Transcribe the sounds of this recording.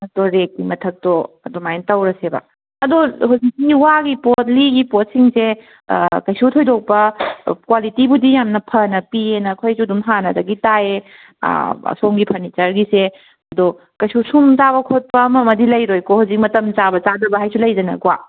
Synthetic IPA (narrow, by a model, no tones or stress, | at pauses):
ɐtoɾek̚ːimɐtʰɐk̚toɐdomajntɐwɾɐsebɐ̰ | ɐdohuzik̚siŋiwaɡipot̚liɡipot̚siŋse | kɐjsutʰojdok̚pɐkwalitibudijamnɐpʰɐnɐpienɐkʰojsudumɦanɐdɐɡitaḛ | somɡipʰɐɾnit͡ʃɐɾɡise | ɐdo | kɐjsusumzaβɐkʰot̚pɐmɐmɐdilɐjɾojkohuzik̚mɐtɐmt͡ʃabɐt͡ʃadɐbɐɦajsulɐjdɐnɐ̰ɡwa